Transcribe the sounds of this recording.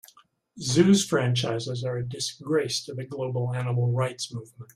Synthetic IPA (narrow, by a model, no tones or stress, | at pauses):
zʉz̥fɹæ̃nt͡ʃaɪzɪzə˞ɨdɨsɡ̥ɹeɪstʰɨðɨɡloʊbl̩ˠænəml̩ˠɹaɪtsmuvmə̃nt̚